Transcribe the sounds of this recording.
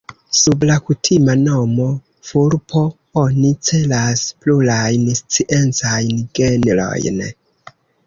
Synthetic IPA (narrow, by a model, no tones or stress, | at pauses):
sublakutʰimano̞mo̞ | fuɾpʰo̞ | o̞nit͡se̞laspluɾajnst͡siʔe̞nt͡sajnɡenlo̞̰jn